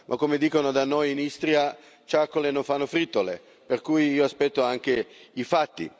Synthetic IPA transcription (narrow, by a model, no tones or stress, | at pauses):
mʔakːomed̪iːkonod̪anːojinist̪ɾja | t͡ʃakːolenoɱfanːofɾit̪ːolḛ | perkujiːoaspɛt̪ːoaŋk̟eifat̪ːḭ